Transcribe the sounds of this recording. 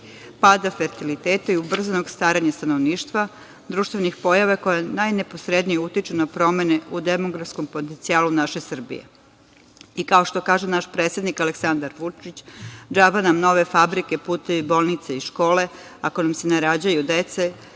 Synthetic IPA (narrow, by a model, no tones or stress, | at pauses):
paːd̪afe̞ɾt̪ilit̪eːt̪aiubr̩zanoɡst̪ʋaːɾaɲast̪ano̞ʋniːʃt̪ʋa | d̪ɾuːʃt̪ʋenixpo̞jaʋako̞janajne̞po̞sɾe̞d̪nijeut̪it͡ʃunapɾo̞me̞neud̪emo̞ɡɾafsko̞mpot̪ent̪siaːlunaʃe̞sr̩bḭjḛ | ikao̞ʃt̪o̞kaːʒenaʃpɾet̪sʲjed̪nikale̞ksand̪aɾʋut͡ʃit͡ɕd͡ʒaːbanamno̞ʋe̞fabɾike̞puːt̪e̞ʋibo̞ːlˠnit̪seiʃko̞ːle̞ako̞namsenaɾad͡ʑajud̪et̪se